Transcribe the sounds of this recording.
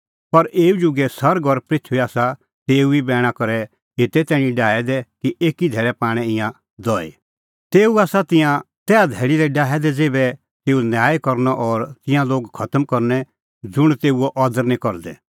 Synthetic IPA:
pɐɾʔeːud͡ʒʊɡɛsɐɾɡɔɾpɾɪt̪ʰʋiaːsa | t̪eːuibɛːɽ̃akɔɾɛ | ɦet̪ɛt̪ɛːɽ̃ĩɖaːɛd̪ɛkiʔeːkid̪ʱɛːɭɛpaːɽ̃ɛ̃ɪ̃jã | d̪ɔːḛ | t̪eːuaːsat̪ɪ̃jã | t̪ɛːad̪ʱɛːɽid̪ɛɖaːɛd̪ɛd͡zeːbɛ | t̪eːunjaːjkɔɾnɔʔɔːɾt̪ɪ̃jãloːɡkʰɐt̪əmkɔɾnɛ | d͡zʊɽ̃t̪eːuɔʔɔd̪əɾnĩkɔɾd̪ɛ̰

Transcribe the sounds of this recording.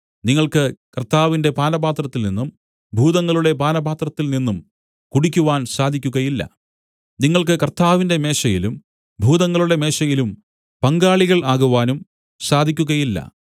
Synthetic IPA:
niŋːɐɭkɨkɐrt̪ːaːʋinde̞paːnɐbaːt̪rɐt̪ːilninːum | bʱuːðɐŋːɐɭuɽe̞paːnɐbaːt̪rɐt̪ːilninːum | kuɽikʲːuʋaːnsaːd̪ʱikʲːuɣɐjilːɐ̰ | niŋːɐɭkɨkɐrt̪aːʋinde̞me̞ːʂɐjilum | bʱuːðɐŋːɐɭuɽe̞me̞ːʂɐjilum | pɐŋɡaːɭiɣɐɭaːɣuʋaːnum | saːd̪ʱikʲːuɣɐjilːɐ̰

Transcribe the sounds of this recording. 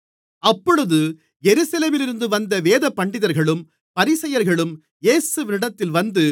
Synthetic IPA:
ɐpːɔɻɯðɯ | jɛɾɯsɐleːmɪlɪɾɯnd̪ɯʋɐnd̪ɐʋeːðɐpːɐɳɖɪðɐɾɣɐɭɯm | pɐɾɪsɐjɐɾɣɐɭɯm | jeːsɯʋɪnɪɽɐt̪ːɪlʋɐnd̪ɯ

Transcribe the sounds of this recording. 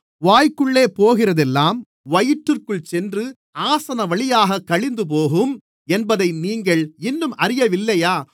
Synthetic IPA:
ʋaːjkɯɭːeːpoːɣɪrɐðɛlːaːm | ʋɐjɪʈrɯrkɯɭt͡ʃɛndrɯ | aːsɐnɐʋɐɭɪjaːɣɐkːɐɭɪnd̪ɯp̬oːɣɯm | ɛnbɐðɐɪniːŋɡɐɭɪnːɯmʔɐɾɪjɐʋɪlːɐjaː

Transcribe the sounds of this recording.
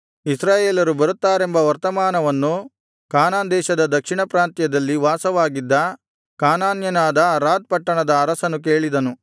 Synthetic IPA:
isɾaːjeːlɐɾubɐɾut̪ːaːɾembɐʋɐɾt̪ɐmaːnɐʋɐnːu | kaːnaːnd̪ɛːʃɐd̪ɐd̪ɐkʂiɳɐpɾaːnt̪jɐd̪ɐlːiʋaːsɐʋaːɡid̪ːɐ | kaːnaːnjɐnaːd̪ɐɾaːd̪̚pɐʈːɐɳɐd̪ɐːɾɐsɐnuk̬eːɭid̪ɐnu

